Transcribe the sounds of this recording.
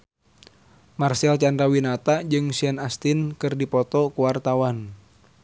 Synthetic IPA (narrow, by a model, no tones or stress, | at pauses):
marsɛlt͡ʃandɾawinat̪ad͡ʒɨŋsiɛnast̪inkɨrdipɔt̪ɔkuwart̪awan